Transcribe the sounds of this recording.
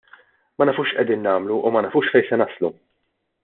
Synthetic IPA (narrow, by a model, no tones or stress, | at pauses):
mɐnɐfuːʃʔɛd̪iːnːɐːmluʔumɐnɐfuːʃfɛjsɛnɐslu